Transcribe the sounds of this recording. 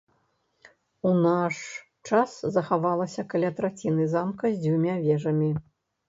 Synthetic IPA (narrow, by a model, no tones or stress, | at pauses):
unaʂ | t͡ʂaszɐxavalˠɐsʲɐkalʲat̪ɾat͡sʲinɨzamkɐzʲd͡zʲvʲumʲavʲɛʐɐmʲi